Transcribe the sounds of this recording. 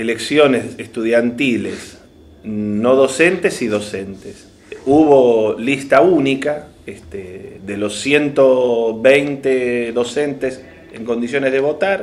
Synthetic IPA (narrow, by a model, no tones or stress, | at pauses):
eleksjo̞nesest̪uð̞jant̪iles | no̞ðo̞sent̪esiðo̞sent̪es | uβo̞list̪aunika | est̪eðelo̞sːje̞nt̪oβejnt̪eðo̞sent̪es | ḛŋkond̪isjo̞nezðeβ̞o̞t̪aɾ